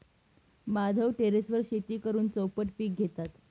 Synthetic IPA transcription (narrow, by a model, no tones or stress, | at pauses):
mad̪ʱəwʈeɾesʋəɾɕet̪iːkəɾuːnt͡səwpəʈpiːk̚ɡʱet̪at̪